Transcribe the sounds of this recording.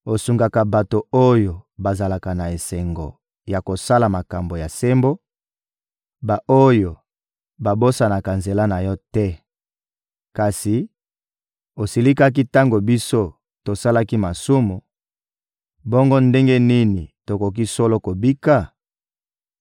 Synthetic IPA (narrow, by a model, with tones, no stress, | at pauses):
o˨su˨ŋɡa˨ka˨ba˨to˨o˦jo˨ba˨za˨la˨ka˨na˨e˨se˨ŋɡo˨ | ja˨ko˨sa˦la˨ma˨ka˨mbo˨ja˨se˦mbo˦ | ba˨ʔo˦jo˨ | ba˨bo˦sa˨na˨ka˨nze˨la˦na˨jɔ˦tɛ˦ | ka˨si˨ | o˨si˨li˦ka˦k̬i˦ta˦ŋɡo˨bi˦so˦ | to˨sa˦la˦ki˦ma˨su˦mu˨ | bɔ˦ŋɡo˦nde˦ŋɡe˦ni˦ni˨to˨ko˨k̬i˦so˦lo˦ko˨bi˦ka˦˨